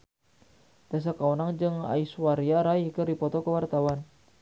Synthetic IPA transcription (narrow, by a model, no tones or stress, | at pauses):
d̪̥as̬akaunaŋd͡ʒɨŋa̰iswaɾiaɾaikərdipɔt̪ɔkəwart̪awan